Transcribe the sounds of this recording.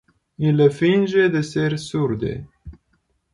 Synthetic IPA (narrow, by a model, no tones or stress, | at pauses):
ilefind͡ʒed̪esersurd̪ḛ